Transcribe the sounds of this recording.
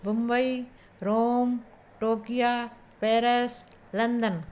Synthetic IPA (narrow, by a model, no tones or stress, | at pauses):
bʊmbɐi | ɾoːm | ʈoːkijaː | peːɾes | lɐnd̪ən